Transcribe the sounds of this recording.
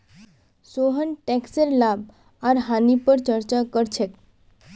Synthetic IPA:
soɦənʈɛkseɾlab | aɾɦanipəɾt͡ʃəɾt͡ʃakəɾt͡ʃʰek

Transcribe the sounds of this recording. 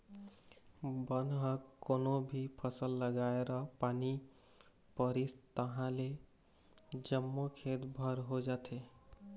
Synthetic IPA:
bənɦə̃konobʱipʰəsəlːəɡaeɾəpani | pəɾist̪əɦãle | d͡ʒəmːokʰet̪bʱəɾɦod͡ʒat̪ʰe

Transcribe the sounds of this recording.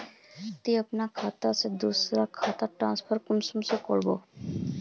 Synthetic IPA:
t̪iəpnakʰat̪ased̪usɾakʰat̪aʈɾãnspʰəɾkumsumsekɔɭbo

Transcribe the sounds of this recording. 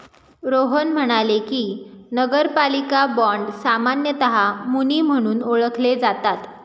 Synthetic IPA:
ɾoɦənm̤əɽ̃alekiːnəɡəɾpalikabɔɳɖsamanjət̪əɦamuniːm̤əɽ̃uːnoɭəkʰled͡zat̪at̪

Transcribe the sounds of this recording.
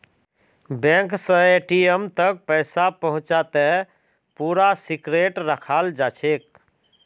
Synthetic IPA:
bɛ̃ŋksə̃eʈiemt̪ək̚pəɪsapəɦʊ̃t͡ʃat̪ɛ | puɾasikɾeʈɾəkʰald͡ʒat͡ʃʰek̚

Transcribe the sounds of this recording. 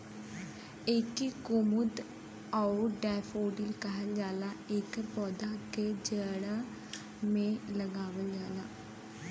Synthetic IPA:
eːkikʊmʊd̪ | auɖɛːfoːɖilkəɦəld͡ʒaːlaːeːkpɔːd̪aked͡ʒəːɽa | mẽləɡaːʋəld͡ʒaːlaː

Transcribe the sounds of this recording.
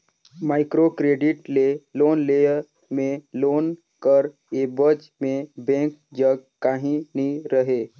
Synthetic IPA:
maːɪkɾokɾeːɖɪʈleloːnleəɾ | mẽloːn | kəɾ | eːbəd͡ʒ | mẽbẽːŋk̚d͡ʒəɡ̚kaɦĩnĩɾəɦeː

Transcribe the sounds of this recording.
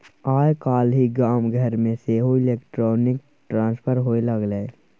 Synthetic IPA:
aːjkaːlɦiɡaːmɡʱəɾmẽseɦoɪleːkʈɾɔːnɪk̚ | ʈɾãːnspʰəɾɦoːelɐɡleː

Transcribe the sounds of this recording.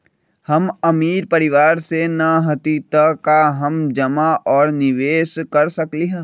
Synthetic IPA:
hɐmɐmiːɾpɐɾɪʋaːɾsenɐɦət̪it̪ɐkaɦɐmd͡ʒɐmaʔɔːɾnɪʋeːʃkɐɾsɐkliɦɛ̃ː

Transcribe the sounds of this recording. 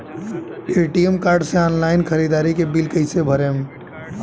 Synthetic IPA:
eːʈiemkaːɾɖseaːnlaːɪnkʰəɾiːd̪aːɾikebɪlkəɦɪsebʱəɾeːm

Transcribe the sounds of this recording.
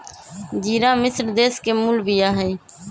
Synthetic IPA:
d͡ʒiːɾãːmɪsɾd̪eːskeːmulbiːaːɦɛ̃ː

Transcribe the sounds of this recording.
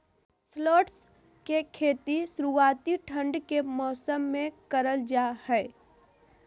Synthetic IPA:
sloːʈs | kekʰeːt̪isʊɾuaːt̪iʈʰə̃ɳɖkemɔːsəmːẽkəɾəld͡ʒahɛː

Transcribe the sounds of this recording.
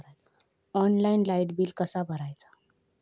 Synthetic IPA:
ɔnlainlaiʈbiːlkəsabʱəɾajt͡sḁ

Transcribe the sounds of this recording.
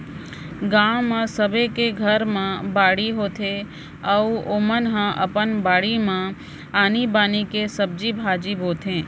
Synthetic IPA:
ɡãːʋmãsəbekeɡʱəɾmãbaːɽiɦoːt̪ʰe | əoːmənɦãʔəpənbaːɽimã | aːnibaːnikesəb̚d͡ʒibʱaːd͡ʒibʱoːt̪ʰẽː

